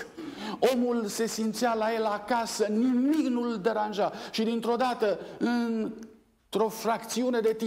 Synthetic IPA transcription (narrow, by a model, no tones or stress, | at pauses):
o̞mulse̞sint̪sijalae̞lakasənimiknuld̪e̞ɾanʒaʃid̪int̪ɾo̞d̪at̪əɨn | t̪ɾo̞frakt̪siune̞d̪e̞t̪i